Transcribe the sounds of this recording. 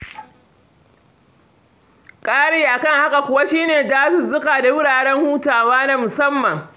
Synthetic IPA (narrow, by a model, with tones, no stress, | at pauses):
kʼaː˦ɽeː˦ʔa˨kɐ˦˨ŋha˦ka˨kʷʊ˨wa˦ʃiː˦neː˨daː˦sʊ˦zʊ˦kaː˨da˨wʊ˦ɽaː˨ɽɛ˦ŋhuː˦taː˨waː˦na˦mʊ˨sɐ˦mːɐ˨ŋ